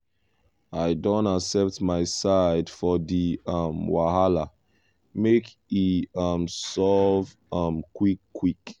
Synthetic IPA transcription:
aɪdɔ̃ntaksɛp̚tmaɪsaɪdfɔðiʌmwaɦala | mek | iʌmsɔv | ʌmkwikʰːwik

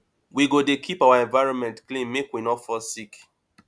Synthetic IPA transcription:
wiɡodekʰipawaɛ̃ɱvaɪɹɔ̃nmɛ̃ntklĩnmekwinɔtfɔsik

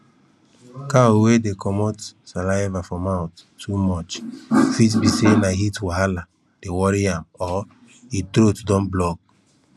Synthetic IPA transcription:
kawedekʰɔmɔtsalaɪvafɔmaʊttʰːumɔt͡ʃfitbisenaɦitwaɦala | d̥ewɔɾiãmɔ | itɾotudɔ̃nblɔk̚

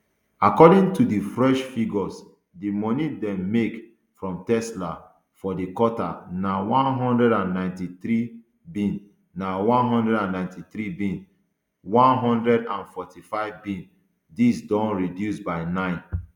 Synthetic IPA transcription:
akɔdĩŋtudifɹɛʃfiɡɔs | dimɔnidɛ̃mːek | fɹɔ̃mtɛsla | fɔdikɔta̰nawãnɦɔ̃ndɹɛɾãnːãɪ̃ntit̪ɾi | bĩn | nːawɔ̃nɦɔ̃ndɛdãnːãɪ̃ntit̪ɾibĩn | wãnɦɔ̃ndɹɛdãnfɔtʰifaɪvbĩn | disdɔ̃nɹidjusbaɪnãɪ̃n

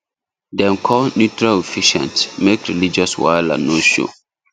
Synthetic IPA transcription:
dɛ̃nkʰɔnjutɹalefiʃɛ̰̃ntmekɹilid͡ʒɔswa̰la̰noʃo̰

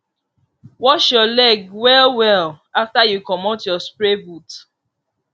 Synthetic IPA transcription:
wɔʃjɔlɛɡwɛlwɛl | aftajukɔmotjɔspɹebut

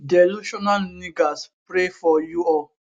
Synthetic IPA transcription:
dɛluʃɔnalniɡaspɾefɔjuɔ

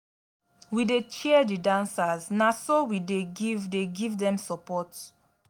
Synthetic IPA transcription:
widet͡ʃɛdidãnsaznasowideɡivdeɡivdɛ̃msɔpɔt

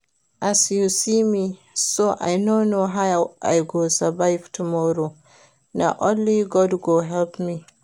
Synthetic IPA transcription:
ʔasiusimi | soʔa̰jnonoɦawʔa̰jɡosabajftʰumɔɾo | na̰ʔɔ̃nliɡɔdɡoɦɛlpmi

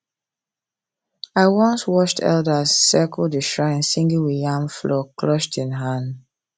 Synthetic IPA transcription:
aɪwɔ̃nswɔʃtʰɛ̰ldəzːɛkɔldəʃɹãɪ̃nsĩŋɡĩŋwijãmflɔkʰlɔʃtĩnɦãn

